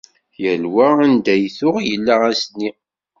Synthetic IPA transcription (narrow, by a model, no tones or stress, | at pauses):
jəlwæænd̪æjθʊʁjəlːææsnːi